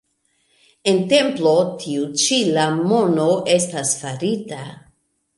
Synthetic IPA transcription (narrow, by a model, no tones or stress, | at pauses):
e̞nte̞mplotʰiut͡ʃilamo̞noʔe̞stasfaɾita